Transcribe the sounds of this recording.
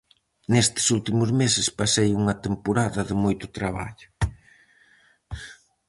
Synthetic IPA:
nest̪ɪ̥sult̪imʊzmesɪspasejuŋɐt̪empoɾaðɐðɪmojt̪ʊt̪ɾaβa̰ʎʊ

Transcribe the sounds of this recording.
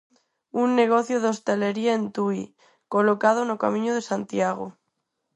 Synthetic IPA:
unːeɣ̞oθjoð̞ost̪eleɾiaent̪ui | kolokað̞onokamĩɲoð̞esant̪jaɣ̞o̰

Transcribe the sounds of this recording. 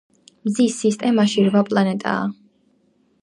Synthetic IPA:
mzisist̪ʼɛmaʃiɾvapʼlˠanɛt̪ʼa̰ː

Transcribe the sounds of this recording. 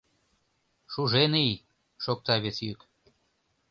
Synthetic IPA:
ʃuʒenej | ʃok̚t̪ɑβʲet͡sjyk

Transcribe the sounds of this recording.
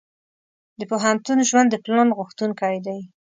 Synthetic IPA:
d̪əpoɦant̪unʒwand̪ːəplɑnɣʊxt̪unkɑjd̪aj

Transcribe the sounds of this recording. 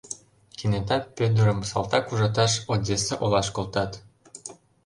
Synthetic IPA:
kinet̪ɑtpød̪ə̆ɾə̆msɑlˠt̪ɑkuʒɑt̪̬ɑʃodʲeseʔolɑʃkolt̪ɑt̪

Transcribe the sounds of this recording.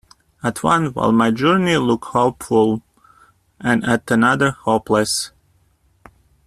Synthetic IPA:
ətʰwʌ̃nwa̰ɪlˠmaɪd͡ʒɜ˞nilʊkhoʊpfʊlˠ | ʔɨ̃nɨt̪ɨnʌðə˞hoʊpʰləs

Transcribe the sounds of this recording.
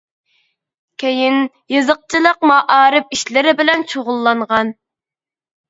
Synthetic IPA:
kʲʰejin | jɨzəq̚t͡ʃʰilˠəq̚mɑʔɑːɾɨp̚iʃlɪɾɪbɪlɛnt͡ʃʰoʁʊlˠːɑɴʁɑn

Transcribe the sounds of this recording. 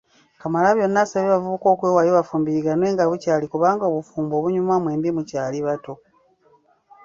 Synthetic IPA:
kamalaβjo̞nːasaβeβavuβuko̞ːkweːwajoβafuːmbiɾiɡanwe̞ːŋɡaβucaːlikuβaːŋɡoβufuːmbo̞βuɲumwamwe̞ːmbimucaːliβato̞

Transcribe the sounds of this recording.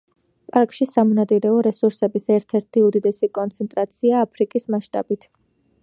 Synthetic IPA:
pʼaɾkʼʃisamɔnat̪ʼiɾɛɔɾɛsuɾsɛbisɛɾt̪ʰɛɾt̪ʰiud̪id̪ɛsikʼɔnt̪sʰɛnt̪ʼɾat̪sʰiaːpʰɾikʼismaʃt̪ʼa̰bit̪ʰ

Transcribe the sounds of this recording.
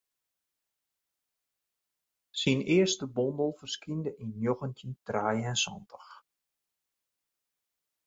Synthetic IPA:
sinɪərstəbɔndəlˠfərskindəʔinjoɣəntəntraːjəɛnsɔ̰ntʰə̥x

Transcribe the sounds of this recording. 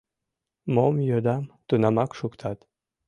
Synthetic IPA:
momjød̪ɑmt̪unɑmɑkʃukt̪ʰɑt̪

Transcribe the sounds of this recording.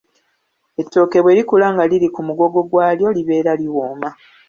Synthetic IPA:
e̞tːo̞ːke̞βwe̞ːɾikulaŋɡalilikumuɡo̞ɡo̞ɡwaːljo̞liβe̞ːɾaliwoːma

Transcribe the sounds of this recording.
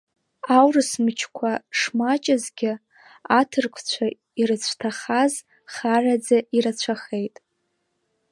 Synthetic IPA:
awrɨsmɨt͡ʃʰkʷʰaʂmat͡ʃʼazɡʲɪ | atʰɨrkʷʰt͡ɕʷʰa | irɨt͡ɕʷʰtʰaχaz | χarad͡zaiɾat͡ɕʷʰaχejtʼ

